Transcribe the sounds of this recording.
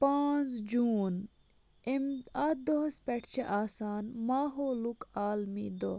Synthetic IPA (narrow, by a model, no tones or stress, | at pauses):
paːnt͡sd͡ʒuːn | emɐd̪ospɐʈʰt͡ʃʰeʔaːsaːnmaːɦoːlukaːlmiːd̪o